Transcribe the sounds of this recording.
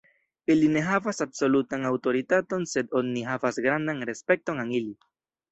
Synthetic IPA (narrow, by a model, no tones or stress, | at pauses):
iline̞ɦavasabso̞lutaŋawto̞ɾitato̞nse̞do̞nːiɦavasɡɾandaŋɾe̞spe̞k̚to̞ŋaŋili